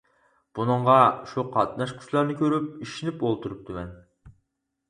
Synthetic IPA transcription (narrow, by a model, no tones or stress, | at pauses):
b̥unɨɴʁɑʃuqʰɑt̪̚nɑʃkʲʰy̥t͡ʃlˠɑɾnɨkʲʰøɾyp̚iʃinɪpolˠt̪ʰuɾup̚t̪ɨmɛn